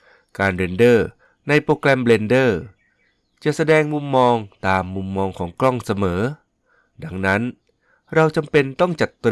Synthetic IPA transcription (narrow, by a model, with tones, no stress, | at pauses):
kaː˧nle˧ndɤː˥˩ | na˧jpɾoː˧klɛ˧mle˧ndɤː˥˩ | t͡ɕa˨˩ʔsa˧dɛː˧ŋmu˧mːɔː˧ŋt̪aː˨˧mːu˧mːɔː˧ŋkʰɔː˩˦ŋklɔ˥˩ŋsa˧mɤː˩˦ | da˧˩ŋna˦˥n | ɾa˧wt͡ɕa˧mpe˧nt̪ɔ˥˩ŋt͡ɕa˨˩t̪ː